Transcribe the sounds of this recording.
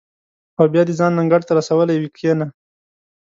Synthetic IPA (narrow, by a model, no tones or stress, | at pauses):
awbjɑd̪ezɑnːaŋɡaɽt̪aɾasawəlajwikʰjena